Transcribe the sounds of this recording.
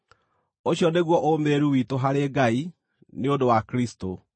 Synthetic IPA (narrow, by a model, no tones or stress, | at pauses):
oɕjɔneɣwɔʔomeɾuwitoɦaɾeɡai | neodowakɾisto